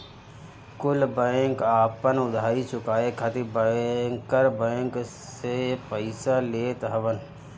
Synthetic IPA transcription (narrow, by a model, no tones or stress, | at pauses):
kʊlbə̃ŋkaːpənʊd̪ʱaːɾit͡ʃʊkaːekʰət̪ibəkəɾbə̃ŋk | sepəɪsaleːt̪ɦəʋən